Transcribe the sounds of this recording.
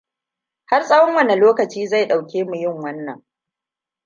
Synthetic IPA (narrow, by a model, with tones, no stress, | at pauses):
ha˦rsʼɐ˦wɔ˦ŋwɐ˦ne˨loː˦kɐ˨t͡ʃiː˦za˦˨jɗa˨wkʲeː˦mu˨jɪ˦˨ŋwɐ˦nːɐ˨ŋ